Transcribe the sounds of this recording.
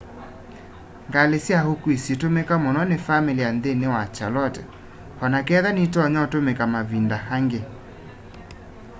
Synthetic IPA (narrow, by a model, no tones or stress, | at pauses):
ŋɡalesjahokwisjetomekamonɔnefameliandenewat͡ʃalɔtɛ | hɔnakɛðanitɔɲɔtomekamaβindahaŋɡe